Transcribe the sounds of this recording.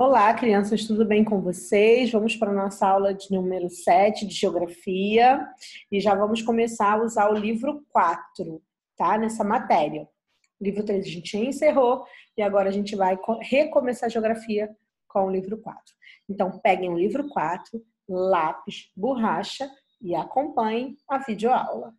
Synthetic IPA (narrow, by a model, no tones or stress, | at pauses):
olakɾiɐ̃sɐʃt̪ud̪ʊbẽj̃kõvosejzvɐ̃mʊspɾɐnɔsɐawlɐd͡ʒɪnũmeɾʊsɛt͡ʃɪd͡ʒɪʒeoɡɾafiɐɪʒavɐ̃mʊskõmesaɾɐuzaɾʊlivɾʊkwat̪ɾʊ | t̪anɛsɐmat̪ɛɾiɐ | ʊlivɾʊt̪ɾezɐʒẽnt͡ʃɪẽseɦoɪaɡɔɾɐaʒẽnt͡ʃɪvajkohekõmesaɐʒeoɡɾafiɐ | kõw̃ʊlivɾʊkwa̰t̪ɾʊẽnt̪ɐ̃w̃pɛɡẽj̃ʊlivɾʊkwat̪ɾʊ | lapɪʃbuɦaʃɐ | ɪakõmpɐ̃ɲẽɐvid͡ʒɪoa̰wlɐ